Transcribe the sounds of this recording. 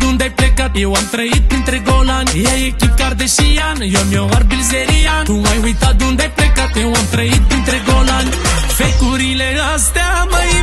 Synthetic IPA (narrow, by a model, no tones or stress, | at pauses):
d̪ũnd̪eplekat̪ewamt̪ɾɐid̪̚pent̪ɾeɡolaŋeajekikaɾd̪eʃianjɔmjɔwaɾbilzeɾiaumajwujt̪ad̪ũnd̪eplekat̪ewamt̪ɾɐid̪̚pent̪ɾeɡolaŋ | fejkuɾileast̪ɛmai